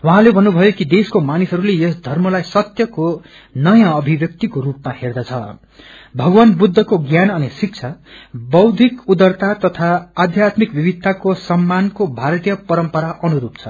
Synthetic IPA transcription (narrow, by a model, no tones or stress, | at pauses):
wʌɦãlebʱʌnːubʱʌjokid̪eskomanisɦʌɾulejʌsd̪ʱʌrmʌlajsʌt̪jʌko | nʌjãʌbʱibjʌk̚t̪ikoɾupmaherd̪ʌt͡sʰʌ̰ | bʱʌɡwanbud̪ʱːʌkoɡjanʌnisik̚t͡sʰa | bʌwd̪ʱikud̪ʌrt̪at̪ʌt̪ʰaːd̪ʱjat̪mikbibʱid̪̚t̪ːakosʌmːankobʱaɾt̪ijʌpʌɾʌmpʌɾaʔʌnuɾupt͡sʰʌ